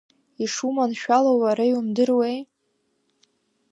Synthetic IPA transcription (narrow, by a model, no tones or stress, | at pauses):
iʂumanʃᶣalowaɾajumdɨrwej